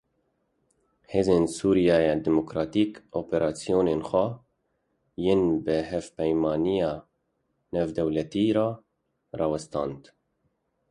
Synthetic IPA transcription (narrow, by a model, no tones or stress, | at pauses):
heːzeːnsuːɾijɑːjɛd̪ɛmokɾɑːt̪iːkoːpeɾɑːsijoːneːnxʷɛ | jenbɨhɛvpɛjmɑːnijɑː | nɛvd̪ɛwlɛt̪iːɾɑː | ɾɑːwɛst̪ɑ̰ːnd̪